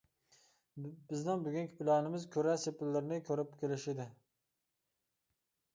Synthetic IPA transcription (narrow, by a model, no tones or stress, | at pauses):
b̥ɪznɪŋbyɡʲynkʲʰi̥pʰɪlˠɑːnɪmɪzkʲʰøɾɛsepɪlːɪɾɪnɪkʲʰøɾɪpkʲʰelɪʃɪd̪ɪ